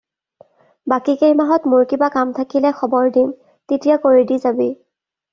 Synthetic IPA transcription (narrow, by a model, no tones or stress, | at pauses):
bakikejmaɦɔtmʊɹkibakamtʰakilɛxɔbɔɹdin | tetijakoɹidizabi